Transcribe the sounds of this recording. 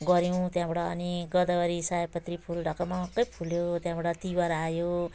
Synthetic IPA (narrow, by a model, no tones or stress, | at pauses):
ɡʌɾjʌw̃t̪jãbaʈʌʌ̰niɡʌd̪ʌbʌɾisajpʌt̪ripʰulɖʱʌkamakʌpʰuljot̪jãbaʈʌt̪ibʌɾajo